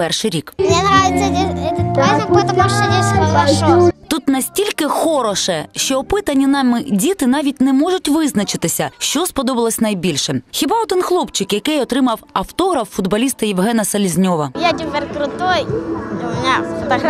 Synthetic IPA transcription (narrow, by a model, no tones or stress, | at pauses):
pɛrʃɪjɾʲikmnʲɛnɾajɪt̪sʲɐeɛt̪ɐkɐkɔɛt̪ɐpɐʃɛnʲɛɐɐɔt̪ut̪nɐsʲtʲilʲkɪxɔɾɔʃɛʃt͡ʃɔːpɪt̪ɐnʲːinɑmɪdʲit̪ɪnɑʋʲit̚ʲnɛmɔʒʊtʲʋɪznɐt͡ʃɪt̪ɪsʲɐʃt͡ʃɔspɔd̪ɔbɐlˠɐsʲnɐjbʲilʲʃɛxʲibɑɔd̪ɪnxlˠɔpt͡ʃɪkjɐkɪjɔt̪ɾɪmɐwɐwt̪ɔɦɾɐfːʊd̪bɐlʲist̪ɐjɪwɦɛnɐsɐlʲizʲnʲɔʋɐjatʲʊpʲeɾʲkɾʊt̪ɔjmʲnʲat̪ɐk